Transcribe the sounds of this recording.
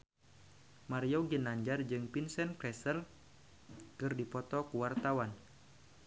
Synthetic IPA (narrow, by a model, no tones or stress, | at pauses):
maɾioɡinaɲd͡ʒard͡ʒɨŋpinsɛnklɛsəl | kɨrdipɔt̪ɔkuwart̪awan